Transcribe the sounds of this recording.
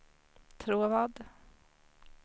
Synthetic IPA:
t̪ʰɾuːɾvɑːd̪

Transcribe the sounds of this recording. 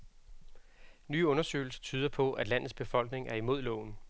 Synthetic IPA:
nyːɔ̽nɐsø̰ːɪl̩sɐ̥t͡sʰyːð̞ˠɐpʰɒ̽ʔæd̥læn̰ð̞̩ˠsb̥e̝fɒ̽l̰ɡ̥ne̝ŋæɐimo̝ð̞̰ˠlɔ̰ːn̩

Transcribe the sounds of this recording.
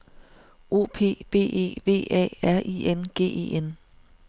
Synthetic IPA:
o̝̰ːpʰe̝̰ːb̥e̝̰ːe̝̰ːʋe̝̰ːɛ̰ːæɐ̰ʔienɡ̥e̝̰ːe̝̰en

